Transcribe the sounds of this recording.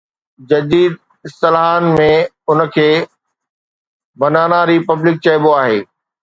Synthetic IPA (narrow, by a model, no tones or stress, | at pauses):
d͡ʑɐd̪iːd̪̚ | ɪst̪ɐlɦaːnmẽ | ʊn̆kʰeː | bɐnaːñaɾipɐblɪk̚t͡ɕɐɪboaːɦeː